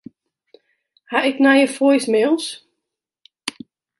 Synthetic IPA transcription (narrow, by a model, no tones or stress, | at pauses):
haɪknajəfojsmeːlˠs